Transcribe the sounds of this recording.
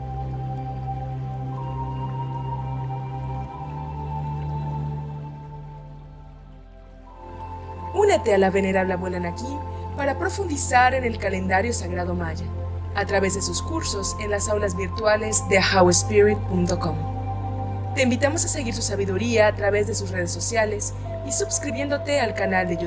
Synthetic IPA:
unet̪ealaβeneɾaβlaβwelanakipaɾapɾo̞fund̪isaɾe̞ne̞lkale̞nd̪aɾjosaɣɾaðo̞maʝaː | t̪ɾaβe̞zðesuskuɾso̞senlasawlazβiɾt̪wale̞zd̪e̞xawespiɾit̪̚punt̪o̞kom | t̪e̞imbit̪amosase̞ɣiɾsusaβiðuɾiaːt̪ɾaβe̞zðe̞susre̞ð̞esːo̞sjales | isubskɾiβje̞nd̪o̞t̪e̞alkanald̪eʝ

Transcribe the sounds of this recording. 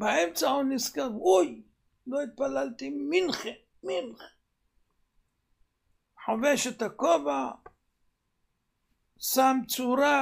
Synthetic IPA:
baemt͡sahuniskaɾuj | loit̪̚palalt̪iminχe | minχ | ħaveʃet̪akova | samt͡suɾa

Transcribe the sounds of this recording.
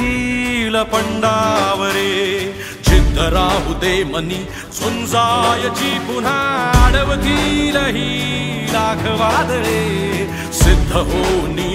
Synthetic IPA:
ilɐpɐɳɖaːʋəɾe | t͡ʃʰɪd̪ʱːɐɾaːɦud̪eːmɐni | sʊnd͡zaːjɐt͡ʃiːpun̤aɽɐʋt̪iːnɐɦi | laːkʰɐʋaːd̪ɐɾe | sɪd̪ʱːɐɦoːni

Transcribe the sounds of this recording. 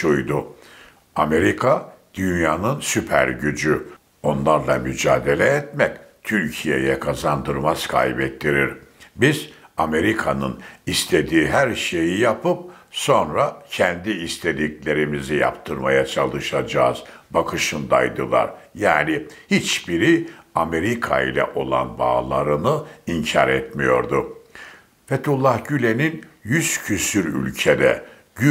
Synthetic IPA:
ʃujd̪ʊ | ame̞ɾikʰad̪̥ynjaːnɯnsypʰæ̰ɾɟyd͡ʒy | o̞nlˠaɾlˠa̰myd͡ʒaːd̪e̞lʲɛːt̪mɛct̪ʰyɾcʰijḛjɛkʰazand̪ɯɾmaz̥kʰa̰jbɛt̪ːiɾiɾbizame̞ɾikʰanɯ̰nist̪ʰe̞d̪iːɦæɾʃe̞jijapʰɯp̚so̞nɾacʰɛnd̪iːst̪ʰe̞lʲiclʲe̞ɾimizija̰pt̪ʰɯɾma̰jat͡ʃʰalˠɯʃad͡ʒa̰ːz̥bakʰɯʃɯnd̪a̰jd̪ɯ̰lˠa̰ɾ | jaːnihit͡ʃbiɾiame̞ɾikʰa̰ḭlʲɛ̰ʔo̞lˠa̰nba̰ːlˠaɾɯnɯiɲcʰa̰ɾɛt̪mijo̞̰ɾd̪u | fet̪ulˠːahɟylʲeninjyz̥cʰysyɾy̰lʲcʰed̪ɛ̰

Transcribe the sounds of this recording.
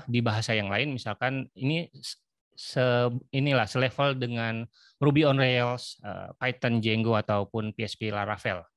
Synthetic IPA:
dibaɦasajaŋlaɪnmisalkanini | səinilahsəlefəldəŋan | rubiɔnreəlsə̰pajt̪ənd͡ʒɛŋɡoat̪awpʊnpeɛspelaɾafɛl

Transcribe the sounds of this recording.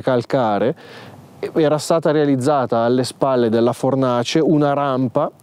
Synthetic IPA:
kalkaːɾe | ɛːɾast̪aːt̪aɾealid̪zːaːt̪aːlːespalːed̪elːafornaːt͡ʃeunaɾampa

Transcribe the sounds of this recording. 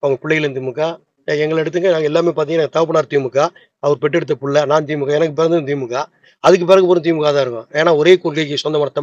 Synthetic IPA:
aːʋŋɡɐpɪɭːɛɣɪlɛnt̪imɯkːaː | ɛŋɡɐɭɛɽɯt̪ːɯŋɡɐnaːŋɡɐɛlːaːmeːpaːɾt̪iːŋɡɐnːŋɡɐt̪aːʋp̬ːɐnaːɾt̪iːmɯkːaː | ɐʋɐɾpɛʈːɛɽɯt̪ːɐpʊɭːɐnaːnt̪iːmɯkːaːɛnɐkːɯpɛɾɐnd̪ɯt̪iːmɯkːaː | ɐðɯkːɯpɛːɾɐŋɡɯp̬oːɾɯ̃nt̪iːmɯkːaːt̪ãːɪɾɯkːõeːnaːɔɾeːkʊɾkɐɪk̬ːɯsɔnd̪ɐmɐnɐt̪ːɐ

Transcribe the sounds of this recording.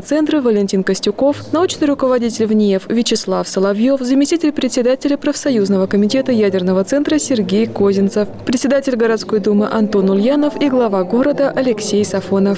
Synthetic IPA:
t̪sɛnt̪ɾəvəlʲɪnʲtʲinkəsʲtʲʊko̞fnɐut͡ɕnɨjrʊkəvɐdʲitʲɪlʲvnʲjɛfvʲɪt͡ɕɪslˠafsəlˠɐvjo̞fzəmʲɪsʲtʲitʲɪlʲpɾʲɪt̪ʲsʲɪd̪atʲɪlʲəpɾəfsɐjuznəvəkəmʲɪtʲe̞t̪əjædʲɪrnəvət̪sɛnt̪ɾəsʲɪrɡʲejkozʲɪnt̪səfpɾʲɪt̪sʲɪd̪atʲɪlʲɡəɾɐt̪sko̞jd̪umɨʔɐnt̪o̞nʊlʲjanəfiɡlˠɐvaɡo̞ɾəd̪əʔɐlʲɪksʲejsɐfo̞nəf

